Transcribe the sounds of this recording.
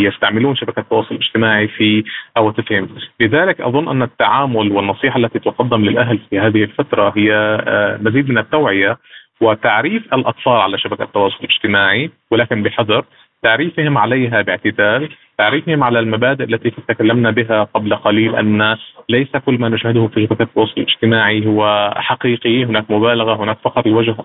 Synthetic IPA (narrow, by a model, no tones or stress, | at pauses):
jɪst̪aʕmɪluːnʃabakat̪ːɑwɑːsˤʊlʔɪʒ̥t̪ɪmaːʕifiʔawat̪ɪfhɪmlɪðaːlɪkʔɑ̰ðˤʊnːʔanːat̪ːaʕaːmʊlwɪnːɑsˤiːħaʔlːat̪it̪ʊqɑd̪ːɪmlɪlʔaɦlfihaːðɪhɪlfat̪ɾˤɑɦɪjːamaziːd̪̚mɪnat̪ːawʕɪja | wɪt̪aʕɾiːfʔalʔɑt̪ˤfɑːlʕalaʃabaka̰t̪ːɑwɑːsˤʊlɪlʔɪʒ̥t̪ɪmaːʕi | wɪlaːkɪnbɪħɑðˤɑɾˤ | t̪aʕɾiːfhɪmʕalejɦabɪʕt̪ɪd̪aːl | t̪aʕɾiːfɪhɪmʕalalmabaːd̪ɪʔalːat̪it̪ɪt̪akalːamnabɪɦaqablaqɑliːlʔa̰nːalejsakʊlːmanʊʃhɪd̪ʊhʊfiʃabakaːt̪ːɑwɑːsˤʊlɪlʔɪd͡ʒ̥t̪ɪmaːʕiɦʊwːaħaqiːqihʊnaːkmʊbaːlaɣahʊnaːkfɑqɾˤɪlwad͡ʒh